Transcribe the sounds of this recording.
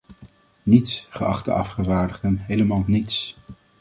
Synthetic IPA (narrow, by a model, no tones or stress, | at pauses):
nitsχəɑ̰χtə̰ɑ̰fχəvaːɹdəʁdənɦejləmaːlˠnits